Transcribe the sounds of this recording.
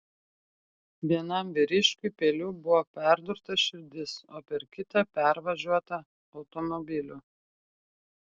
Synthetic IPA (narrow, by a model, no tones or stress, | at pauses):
ʋʲiɛnɐmʋʲɪɾʲɪʃʲkʲʊpʲeːlʲuːbʊʋoːpʲæˑɾd̪ʊɾt̪ɐʃʲɪɾʲd̪ʲɪsoːpʲɛɾkʲɪt̪ɐpʲæˑɾʋɐʒʲuɔt̪ɐ | ɒʊt̪ɔmɔbʲɪlʲu